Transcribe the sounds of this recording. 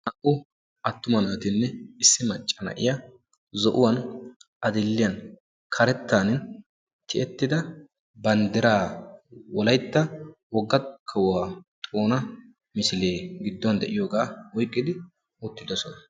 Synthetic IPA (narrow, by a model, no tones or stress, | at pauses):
ʔɐʔʊ | ʔɐt̪ːʊmɐnaːt̪ɪnːɛɪsːɪmɐt͡ʃʼːɐnɐ̰ʔɪ̰jɐ | zɔʔʊwɐnʔɐd̪ɪlːɪjɐn | kʰɐɾɛt̪ːaːnɪn | t̪ʰɪʔɛt̪ːɪd̪ɐ | bɐnd̪ɪɾaːwɔlɐjt̪ːɐwɔɡːɐkʰɐwwaːt̪ʼoːnɐ | mɪsɪleːɡɪd̪ːɔnd̪ɛʔɪjo̞ːɡaːwɔjkʼːɪd̪ɪ | ot̪ːɪd̪ɔsɔnɐ